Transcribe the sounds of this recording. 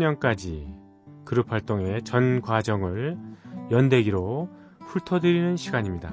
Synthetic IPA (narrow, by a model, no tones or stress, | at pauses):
ɲʌnk͈ad͡ʑi | kɯɾɯpʰaɭt͈oŋe̞t͡ɕʌnɡwad͡ʑʌŋɯɭjʌnde̞ɡiɾo | ɸʰuɭtʰʌdɯɾinɯnɕʰiɡaɲimɲida